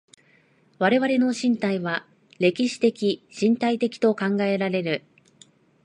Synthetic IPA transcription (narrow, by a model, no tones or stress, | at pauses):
βaɾe̞βaɾe̞no̞ɕĩnt̪aiβa | ɾe̞kʲiɕi̥t̪e̞kʲiɕĩnt̪ait̪e̞kʲi̥t̪o̞kãŋɡae̞ɾaɾe̞ɾɯ̟